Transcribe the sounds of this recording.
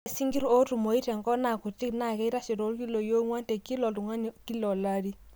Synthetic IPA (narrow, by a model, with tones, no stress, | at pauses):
si˦ŋɡi˦ɾo˦tu˨mo˨i˦tɛ˨ŋɡɔ˦na˨ku˨ti˦kna˨kɛ˦i˦ɾa˦ʃi˨ɾo˦lki˦lo˨jo˦ŋwa˦ntɛ˨ki˦lɔ˨tu˨ŋa˦n˨ki˦lɔ˨la˦di˦